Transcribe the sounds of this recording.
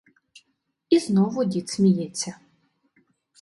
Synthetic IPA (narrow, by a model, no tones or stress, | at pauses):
iznɔvʊdʲit̪smʲijɛt͡sʲːɐ